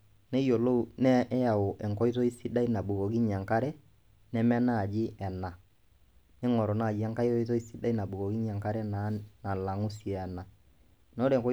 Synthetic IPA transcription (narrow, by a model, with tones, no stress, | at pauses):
nɛ˦jo˨lo˦u˨nɛ˦ja˨o˨ʔɛ˨ŋkɔ˦i˦tɔ˦i˦si˦da˦i˦na˨bu˨kɔ˨ki˦ɲa˨ŋka˦ɾɛ˦ | nɛ˦mɛ˦na˦˨d͡ʒi˦ʔɛ˨na˨ | nɛ˦ŋɔ˨ɾɔ˨na˦˨d͡ʒi˦ɛ˦ŋka˦i˦tɔ˦i˦tɔ˦i˦si˦da˦i˦na˨ɓu˨kɔ˨ki˦ɲa˨ŋka˦ɾɛ˦na˨˦na˨la˨ŋu˦sjɛ˨ɛ˨na˨ | no˦ɾɛ˨ŋkɔ˦